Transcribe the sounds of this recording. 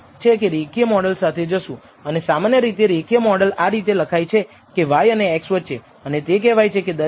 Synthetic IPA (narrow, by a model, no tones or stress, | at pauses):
t͡ʃʰekeɾekijəmɔɽəlsat̪ʰed͡ʒəʃũ | ənesamanjəɾit̪eɾekijəmɔɽəlaɾit̪̬eləkʰajt͡ʃʰe | keʋajəneːksʋətːt͡ʃʰe | ənet̪ek̬ɛʋajt͡ʃʰeked̪ə